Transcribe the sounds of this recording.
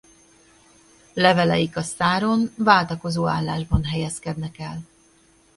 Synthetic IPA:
lɛvɛlɛjikɒst̪aːɾo̞nvaːlt̪ɒko̞zoːa̰ːlːaːʒbɒnɦɛjɛskɛd̪nɛkɛl

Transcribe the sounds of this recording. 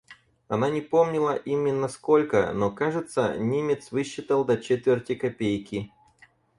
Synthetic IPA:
ɐnanʲɪpo̞mnʲɪlˠəʔimʲɪnːəsko̞lʲkə̰nokaʐɨt̪sə̰nʲimʲɪt̪svɨɕːɪt̪əlˠd̪ɐt͡ɕet̪vʲɪrtʲɪkɐpʲejkʲɪ

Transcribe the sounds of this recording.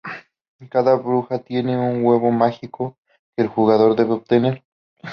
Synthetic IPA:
kaðaβɾuxat̪je̞neuŋɡweβomaxiko | keːlxuɣaðo̞ɾðeβeop̚t̪eneɾ

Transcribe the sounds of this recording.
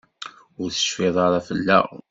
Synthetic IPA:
ʊɾθə̥ʃfɪðˤɑɾˤɑfəlːæ̰

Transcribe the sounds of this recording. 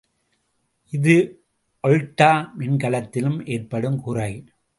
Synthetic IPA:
ʔɪðɯ | ʔɔɻʈːaːmɪnkɐlɐt̪ːɪlɯmʔeːrpɐɽɯmkuːrɐɪ

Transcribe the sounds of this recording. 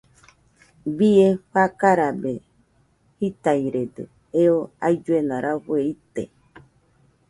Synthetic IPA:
bieɸakaɾabe | hit̪aiɾed̪ɨ̰ | eoa̰jd͡ʒuenãɾʔaɸueit̪ḛ

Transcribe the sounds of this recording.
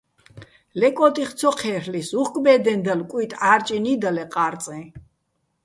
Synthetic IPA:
lɛkʼɔt̪ʼiχt̪sʰɔqʰɛɾlisuχkʼbɛd̪ɛnd̪əlkʼwit̪ʼaɾt͡ʃʼinid̪əlɛqʼaɾt̪t͡s̪ʼɛ̃

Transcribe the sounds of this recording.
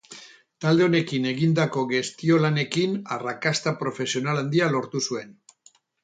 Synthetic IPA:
t̪ald̪e̞o̞ne̞kine̞ɣind̪ako̞ɣe̞st̪io̞lane̞kinarakast̪apɾo̞fe̞sio̞naland̪ialo̞ɾt̪usue̞n

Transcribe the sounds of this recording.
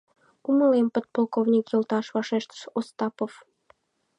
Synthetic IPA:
kumə̆lempə̆t̪̚polkovnʲikjə̆lt̪ɑʃβɑʃeʃt̪ə̥ʃost̪ɑpof

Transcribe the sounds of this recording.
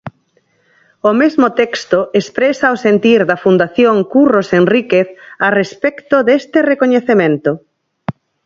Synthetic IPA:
omezmot̪ɛkst̪oespɾesaosent̪iɾðɐfund̪aθjoŋkurosenrikeθarespɛkt̪oðest̪ɪrekoɲeθemẽnt̪o

